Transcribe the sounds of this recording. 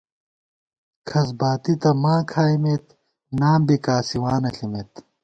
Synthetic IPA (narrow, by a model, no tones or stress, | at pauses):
kʰɐs̬baːt̪it̪ɐmaːkʰaːimet̪ | naːmbikaːsiwaːnɐɬimet̪